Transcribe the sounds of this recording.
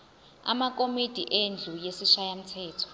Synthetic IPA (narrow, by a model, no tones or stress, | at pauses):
a̰mak̬ʼomid̥ʱiʔend͡ɮʱujesiʃajam̩tʰɛːtʰɔ̥